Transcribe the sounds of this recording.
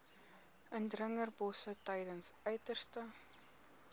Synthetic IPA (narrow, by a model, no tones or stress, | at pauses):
əndrəŋərbɔsətɛjdənsœɥtərstə